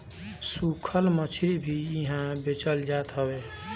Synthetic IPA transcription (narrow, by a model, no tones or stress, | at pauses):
sukʰəlmət͡ʃʰiɾibʱiiɦãbet͡ʃəld͡ʒat̪ɦəbe